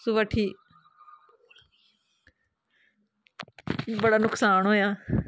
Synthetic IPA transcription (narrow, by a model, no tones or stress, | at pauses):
suʋəʈʰiː | bəɽaːnʊksaːnɦoːjaː